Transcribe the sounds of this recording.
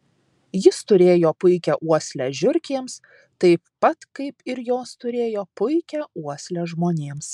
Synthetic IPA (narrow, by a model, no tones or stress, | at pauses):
jɪst̪ʊɾʲeːjoːpʊɪkʲɛʔuɔsʲlʲæʒʲʊɾʲkʲeːms | t̪ɐɪpːɐt̪kɐɪpɪɾjoːst̪ʊɾʲeːjoːpʊɪkʲɛuɔsʲlʲɛʒmoːnʲeːms